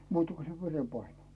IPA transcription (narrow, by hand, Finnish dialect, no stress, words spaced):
muːtɑ̥ ku se ʋerepɑine